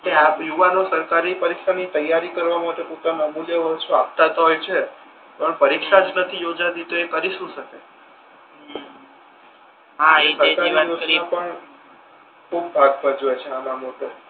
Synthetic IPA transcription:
t̪eapjuʋanosəɾkaɾipəɾikʃanit̪əjːaɾikəɾʋamaʈeput̪amə̃muleʋəʃũa̰p̚t̪at̪əɦojt͡ʃʰe | pəɳpəɾikʃad͡ʒnət̪ʰijod͡ʒad̪it̪oekəɾiʃũʃəke | ɦaesəɾkaɾiaijoãpəɳ | kʰubbad̪̚bəd͡ʒoet͡ʃʰeamãmoʈe

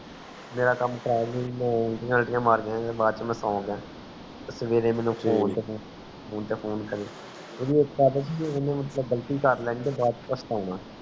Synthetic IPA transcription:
meːɾaːkəmkəɾaːlemɛ̃ːɪʈɪəlʈɪjãːmaːɾɡɪjãːbaːd̪t͡ʃəmɛ̃ːsãːʊɡjãː | t̪esəʋeːɾeːmɛ̃ːnũːpʰoːnt̪eː | pʰoːnt̪eːpʰoːnkəɾeː | eːd̪iːekkaːd̪aːt͡ʃid͡ʒɪnẽːmət̪ləbɡəlt̪iːkəɾlɛːnːt̪eːbaːd̪t͡ʃpəsʈ̪aːnãː

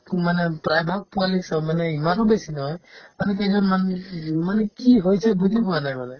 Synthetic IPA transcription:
manɛpɾajbʱak̚pualiksamanɛimaɾɔbesinɔɔjmanɛkɛd͡ʒɔnmanmanɛkiɦɔjsʰɛbudʱibɔanajbalɛ

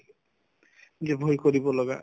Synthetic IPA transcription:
d͡ʒebʱojkoɾibɔlɔɡa̰

